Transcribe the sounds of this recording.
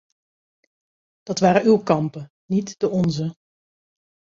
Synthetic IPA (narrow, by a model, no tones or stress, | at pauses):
d̥ɑtʋaːɾəywkɑmpə | nitd̥əɔnzə